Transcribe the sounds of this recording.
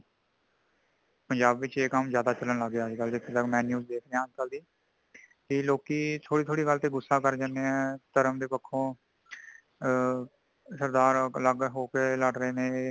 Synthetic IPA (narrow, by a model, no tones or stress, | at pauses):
pəɲd͡ʒaːbʋɪt͡ʃeːkəmzjaːd̪aːt͡ʃələnləɡaːd͡ʒkəld̪eːkɪt̪əkmɛ̃ːnjuːzd̪eːkʰnɾeãːəd͡ʒkəld̪iː | kiːloːkiːt̪ʰoːɽiːt̪ʰoːɽiːɡəlt̪eːɡʊsːaːkəɾd͡ʒəneːɛ̃ːt̪əɾəmd̪eːpəkʰːõː | səɾd̪aːɾləɡɦoːkeːləɖɾəeːnẽː